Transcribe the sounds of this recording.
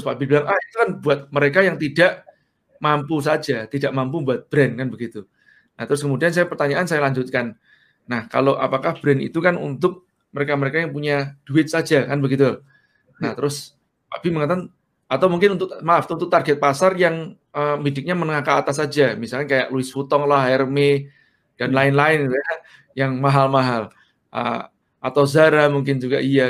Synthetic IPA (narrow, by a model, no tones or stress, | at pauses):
spabibilaŋʔahit̪ukanbuat̪̚məɾekajaŋt̪idaʔ | mampus̬ad͡ʒat̪idaʔmampumbuat̪̚b̥ɾɛnkanbəɡit̪u | naht̪əɾʊskəmudiansajapərt̪aɲaʔansajalaɲd͡ʒʊt̪̚kanː | ahka̰loʔapakahb̥ɾɛnḭt̪ukanṵnt̪ʊk̚ | məɾekaməɾekajaŋpuɲad̥uɪt̪̚sad͡ʒakanbəɡit̪u | naht̪əɾʊs | a̰biməŋat̪an | at̪awmuŋkɪnunt̪ʊkmaft̪unt̪ʊk̚t̪arɡɛt̪̚pasarjaŋ | əmidɪk̚ɲamənəŋakaːt̪as̬ad͡ʒamisalkankaja̰ʔluɪsfut̪ɔŋlaɦajɾəme | d̥anlaɪnlaɪnuja | jaŋmaɦalmaɦal | ʔə̰ | at̪awzaɾamuŋk̬ɪnd͡ʒuɡaʔia